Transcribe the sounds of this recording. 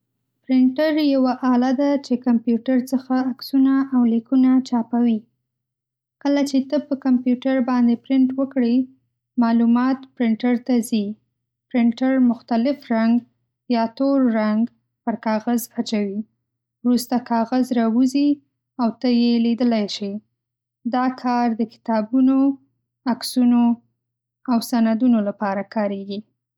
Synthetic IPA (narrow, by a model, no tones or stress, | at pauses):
pɾɪɳʈaɾjawaʔɑlad̪at͡ʃekampjuʈaɾt͡səxaːksunaawlikunat͡ʃɑpawi | kəlat͡ʃet̪əpəkampjuʈaɾbɑnd̪epɾɪɳʈwəkɽə | mɑlumɑt̪pɾɪɳʈaɾt̪azi | pɾɪɳʈaɾmʊxt̪alɪfɾaŋɡ | jɑt̪oɾːaŋɡ | pəɾkɑɣazat͡ʃawi | wɾust̪akʰɑɣazɾɑwuzi | awt̪əjelid̪əlajʃi | d̪ɑkʰɑɾd̪əkɪ̥t̪ɑbuno | aksuno | awsanad̪unolapɑɾakɑɾeɡi